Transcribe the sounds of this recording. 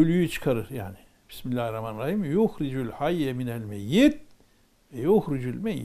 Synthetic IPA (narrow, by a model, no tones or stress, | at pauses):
ølyjyt͡ʃʰɯ̥kʰaɾɯɾjaːni | bi̥smilʲːahɾamanɾahimjoxɾid͡ʒylhajːɛminælʲmɛjːid̪̚ | vɛjohɾyd͡ʒylʲmɛjːi